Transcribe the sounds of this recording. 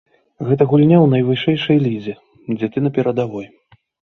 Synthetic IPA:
ɣɛt̪ɐɣulʲnʲawnɐjvɨʂɛjʂɐjlʲid͡zʲɛ | d͡zʲɛt̪ɨnɐpʲɛɾɐd̪avɔj

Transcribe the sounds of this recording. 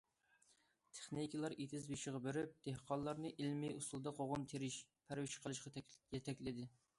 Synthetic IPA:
t̪ʰe̥χnikʲilˠɑɾet̪ʰɪzbiʃɪʁɑbøɾyp̚d̪̥ehqʰɑllˠːɑɾnɨʔilmɪʔust̪ulˠd̪ɑqʰoʁʊmt̪ʰeɾɪʃ | pʰæɾwɪʃqʰəlˠɨʃqɑjɛt̪ʰɛkʲlɪd̪ɪ

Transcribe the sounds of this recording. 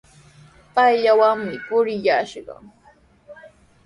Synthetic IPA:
pajʎawaŋmɪpʊɾɪjaʃɢɑ̰ŋ

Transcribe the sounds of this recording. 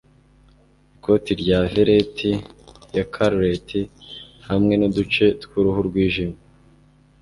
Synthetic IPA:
iko̞tiɾɟaveɾetʰijakʰaɾɾetʰihamŋe̞nodut͡ʃe̞tkuɾuɦuɾɡwiːʒima

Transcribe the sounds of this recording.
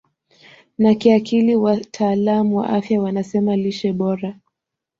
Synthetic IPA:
nakiakiliwatʰaːlamuwa̰ʔafjawanasɛmaliʃɛɓɔɾa

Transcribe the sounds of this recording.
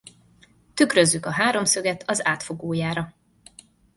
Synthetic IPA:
t̪ykɾø̞zːykɒɦaːɾo̞msø̞ɡɛt̪ʰɒzaːt̪fo̞ɡoːjaːɾɒ

